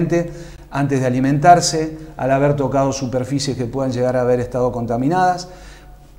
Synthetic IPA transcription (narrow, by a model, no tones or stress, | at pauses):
nt̪e | ant̪ezðealiment̪aɾsea̰laβeɾt̪o̞kað̞o̞supeɾfisjeske̞pweðanʒe̞ɣaɾaːβeɾeht̪að̞o̞ko̞nt̪amĩnaðas